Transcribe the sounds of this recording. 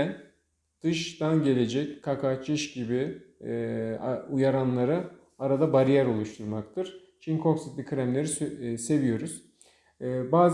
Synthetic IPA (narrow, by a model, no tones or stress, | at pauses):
n | d̪̥ɯʃt̪anɟe̞lʲe̞d͡ʒɛckʰakʰat͡ʃʰɯʃɟibi | ujaɾanlˠaɾɯ | aɾad̪abaɾijæɾo̞lˠuʃt̪ʰuɾmak̚t̪ʰɯɾ̥ | t͡ʃʰiŋkʰo̞ksit̪lʲikʰɾæmlʲe̞ɾise̞vijo̞ɾuz̥ | baːz